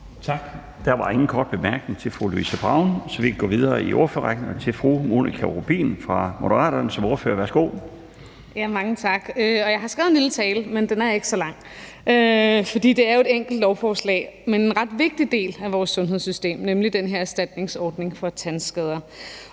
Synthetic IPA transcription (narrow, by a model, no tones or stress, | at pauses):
t͡sʰɑ̈ɡ̥ | d̥æɐʋɑ̈e̝ŋn̩kʰɒːd̥̚b̥e̝mæɐɡ̥ne̝ŋt͡sʰe̝lfʁoluḭːsəb̥ʁɑ̈ʊ̰nsɒ̽ʋikʰæɡ̥ɔ̰ːʋiðˠɐːiʔoɐføɐʁɑɡ̥neŋɐt͡sʰe̝lfʁomo̝̰ːnʔikʰæʁob̥ḭːnfʁɑ̈mo̝ɾ̥əʁɑ̰̈ːdɐnsɒ̽mo̝ːɐfø̰ːɐʋæɐsɡ̥o̝̰ː | jæmɑ̈ŋət͡sʰɑ̈ɡ̥øɒ̽jɑ̈ɪhɑ̈sɡ̥ɛðˠenlilət͡sʰɛːlmend̥enæɐje̝ɡ̥əsɒ̽lɑ̈ŋ̰ | ʔøfɒ̽d̥ḭːd̥e̝æɐjoe̝deŋ̰ɡ̥l̩d̥lɒʊfɒːslɛ̰ːmene̝nʁɑ̈d̥ʋe̝ɡ̥̚d̥id̥e̝̰ːlæʋɒːsːɔ̽nɦeð̞̰ˠsysd̥e̝̰ːmnemlid̥enɦeɐæsd̥æd̥ne̝ŋsɒːd̥ne̝ŋfɒ̽t͡sʰænsɡ̥ɛð̞ˠɐ